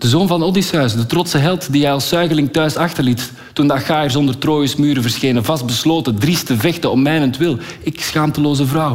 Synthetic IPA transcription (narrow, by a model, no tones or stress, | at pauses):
d̥əzoːnvɑnəɔdisœɥsdətrɔtsəɦɛlˠtdiɦɛjɑlˠsœɥɣəlɪŋtœɥsɑxtərlitː | undəɑxaːjərs̬ɔndərtroːjəsmyːɾəvərsxeːnəvɑst̚bəsloːtədristəvɛxtəɔpmɛːnəntʋɪlˠɪksxaːmtəloːzəvrʌw